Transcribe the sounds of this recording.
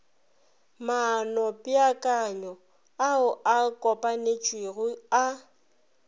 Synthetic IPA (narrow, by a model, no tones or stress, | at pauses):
manɔpʼɪakʼaɲɔ | aʊʔakʼɔpʼanet͡ʃʼwiɣʊa